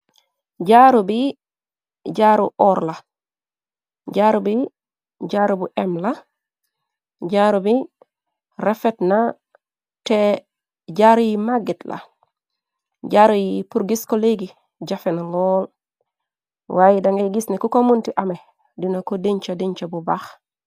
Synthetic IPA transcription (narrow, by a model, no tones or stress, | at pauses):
ɟaɾubi | ɟaɾuʔɔːɾla | ɟaɾubi | ɟaɾubuʔemla | ɟaɾubi | ɾefetna | te | ɟaɾujimaɡetla̰ | ɟaːɾujipuɾɡiskoleɡi | ɟafenaloːl | waːjidaŋɡeɡisnekukomuntiʔame | dinakodiɲt͡ʃadiɲt͡ʃabubax